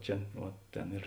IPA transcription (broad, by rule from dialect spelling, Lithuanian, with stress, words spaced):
ˈt͡ʃʲɛ uɔ ˈtʲeːn ɪr